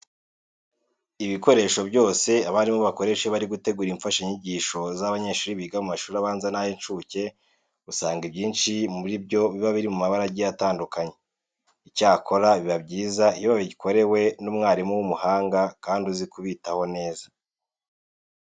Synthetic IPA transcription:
iβiko̞ɾe̞ːʃo̞bɟo̞ːse̞aβaɾimoβako̞ɾe̞ʃeβaɾiɡute̞ɡuːɾiɱfaʃaiɲiɟiːʃo̞zaβaɲe̞ʃuːɾiβiɡamumaʃuːɾaβaːnzanajent͡ʃuce̞ | usaːŋɡibɟiːnʃimuɾibɟo̞βiβaβiɾimumaβaɾaɟijataːndukaɲe̞ | icaːkʰo̞ɾaβiβabɟiːzaiβjiβaβiɟikʰo̞ɾe̞we̞numŋaːɾimuwumuhaːŋɡakaːnduzikuβitaho̞ne̞ːza

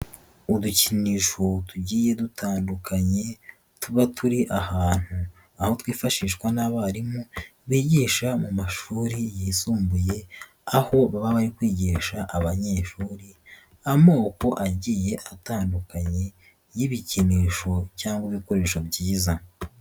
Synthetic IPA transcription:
uduciniʃo̞tuɟiːje̞dutʰaːndukʰaɲe̞ | tuβatʰuɾiʔahaːn̥hu | aho̞twiːfaʃiːʃwanaβaɾimuβiːɟiːʃamumaʃuːɾijisuːmbuje̞ | aho̞βaβaβaɾikwiːɟiʃaʔaβaɲeːʃuːɾi | amo̞ːko̞ʔaɟiːje̞ʔataːndukaɲe̞ | jiβiciniːʃo̞caːŋɡwiβiko̞ɾe̞ːʃobɟiːza

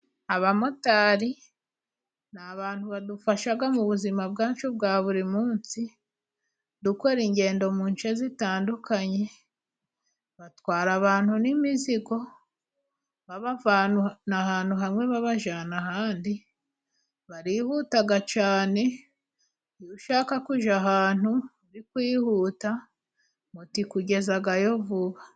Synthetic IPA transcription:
aβamo̞taːɾi | naβaːnhuβadufaʃaɡamuβuzimab̚ɡaːɲt͡ʃubɡaːβuɾimuːnt͡si | duko̞ɾiɲɟe̞ːndo̞muːnt͡ʃezitaːndukaɲe̞ | βatwaːɾaβaːn̥hunimiziɡo̞ | βaβavanunahaːn̥huɦamŋe̞βaβaʒanaɦaːndi | βaɾiːhutaɡat͡ʃaːne̞ | juʃaːkakuʒaɦaːn̥hu | ɾikwiːhuːta | mutikuɟe̞zaɡajo̞vuβa

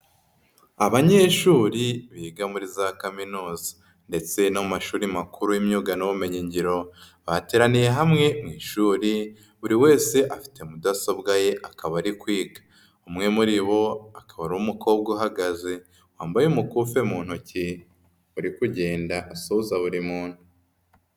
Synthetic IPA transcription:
aβaɲe̞ːʃuːɾiβiːɡamuɾizakaminuːzḁ | nde̞t͡se̞namaʃuːɾimakuɾujimɲuːɡanoβume̞ɲiɲɟiɾo̞ | βate̞ːɾanije̞ɦamŋe̞mŋiːʃuːɾi | βuɾiwe̞ːse̞ʔafi̥te̞mudasobɡaje̞ʔakaβaɾikwiːɡḁ | umŋe̞muɾiβo̞akaβaɾuwumukʰo̞ːb̚ɡoɦaɡaze̞ | waːmbajeumukuːfe̞muːn̥huci | uɾikuɟe̞ːndaʔasozaβuɾimuːn̥hu

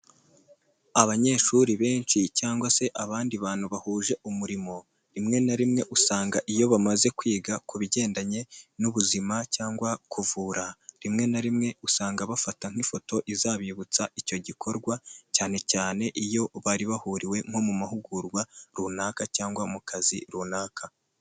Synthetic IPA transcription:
aβaɲe̞ːʃuɾiβe̞ːnt͡ʃicaːŋɡwase̞ʔaβaːndiβaːn̥huβahuːʒe̞ʔumuɾimo̞ | ɾimŋe̞naɾimŋe̞ʔusaːŋɡaʔijo̞βamaze̞kwiːɡakuβiɟe̞ːndaɲe̞nuβuzimacaːŋɡwakʰuvuːɾaɾimŋe̞naɾimŋe̞usaːŋɡaβafataŋ̥ifo̞to̞ʔizaβiβut͡saʔico̞ɟikʰo̞ɾɡwacaːne̞caːne̞ʔijo̞βaːɾiβahuːɾiwe̞ŋho̞mumahuɡuɾɡwaɾunaːkacaːŋɡwamukʰazḭɾuːnaːkʰa

